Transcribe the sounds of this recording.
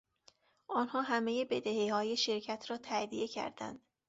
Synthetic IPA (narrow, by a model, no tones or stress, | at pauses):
ʔɒːnhɒːɦæmejebe̞d̪ehehɒːjeʃeɾcʰæt̪ʰɾɒːt̪ʰæd̪ijecʰæ̰ɾd̪æ̰nd̪̥